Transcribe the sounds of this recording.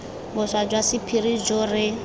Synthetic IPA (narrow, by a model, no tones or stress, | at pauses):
bʊsad͡ʒwasipʰiɾid͡ʒɔrɪ